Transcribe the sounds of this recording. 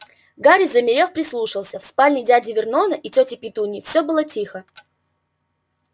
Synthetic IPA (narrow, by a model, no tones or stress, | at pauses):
ɡaɾʲɪzəmʲɪɾʲe̞fpɾʲɪslˠuʂɨlˠsʲəfspalʲnʲɪdʲædʲɪvʲɪrnonəʔitʲotʲɪpʲɪt̪unʲɪfsʲobɨlˠətʲixə